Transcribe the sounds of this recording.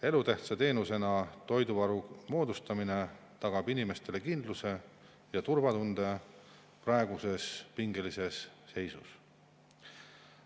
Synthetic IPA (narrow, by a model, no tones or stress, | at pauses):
e̞lut̪eht̪sɑt̪e̞ːnuse̞nɑt̪o̞jd̪uvɑɾumo̞ːd̪ust̪ɑmine̞ | t̪ɑɡ̥ɑbinime̞st̪e̞le̞kind̪̥luse̞ | jɑt̪uɾvɑt̪und̪e̞ | prɑeɡ̥use̞spiŋɡelise̞sːe̞jsṵs